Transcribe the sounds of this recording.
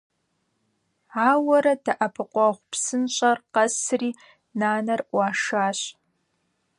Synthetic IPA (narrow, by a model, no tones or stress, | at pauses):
aːwɐɾɐdɐʔɐpʰɨqʷʼɔʁʷpsɨnɕʼɐrqɐsriː | naːnɐrʔʷɑːʂaːɕ